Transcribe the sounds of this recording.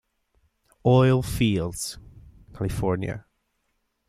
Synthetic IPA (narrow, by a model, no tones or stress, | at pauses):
ɔɪlˠfiːlˠdz̥ | kʰalifɔɹnjə̰